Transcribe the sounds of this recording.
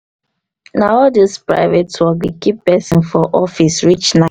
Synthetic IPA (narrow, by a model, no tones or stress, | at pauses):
naɔdispɹa̰ɪvetswɔɡikipɛsĩnfɔʔɔfisɹit͡ʃna